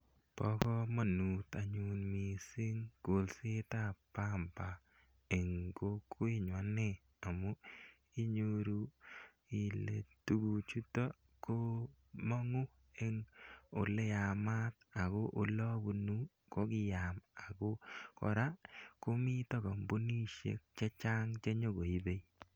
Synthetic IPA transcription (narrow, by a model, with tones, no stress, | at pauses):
pɔ˦kɔ˦ma˨nu˨t̪a˨ɲu˨nmi˨si˦ŋɡ̥o˨lsɪ˦ta˦pa˦mpa˨ | e˨ŋɡo˦kwi˦ɲwa˨˦ne˦˨ | a˨mo˦ | i˦ɲo˦ɾu˦ | i˨lḛ˨tu˨˦ɡu˨t͡ʃu˦tɔ˦ | ko˦ | mɔ˦ŋu˦ | e˦ŋo˨le˦a˨ma˦t̪̚a˨ko˦ʔo˨lɔ˦bu˨nu˦ | ko˦ɡɪ˦ja˨ma˨ɡo˦kɔ̰˨ɾa˦ko˦mi˦tɔ˦ɡɔ˨mbo˦ni˦ʃḛ˨k̚t͡ʃe˦t͡ʃa˦ŋt͡ʃe˦ɲo˦ɡo˨i˦be˦i